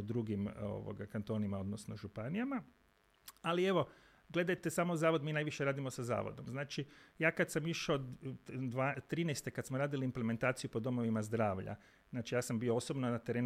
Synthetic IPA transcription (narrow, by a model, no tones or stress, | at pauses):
od̪ɾuɡimo̰ʋo̰ɡakant̪o̞ːnimao̞d̪nosnoʒupanijama | alie̞ʋo̞ | ɡle̞d̪ajt̪e̞samozaːʋo̞d̪miːnaːjʋiʃe̞ɾaːd̪imo̞saza̰ːʋo̰d̪o̞mznaːt͡ʃijaːkad̪samiʃod̪ʋat̪ɾiːnɛjst̪ekad̪smoɾaːd̪iliːmpleme̞nt̪aːt̪sijupo̞d̪o̞mo̞ʋimazd̪ɾaːʋʎa̰ | znaːt͡ʃijaːsambijoosobnonat̪e̞ɾe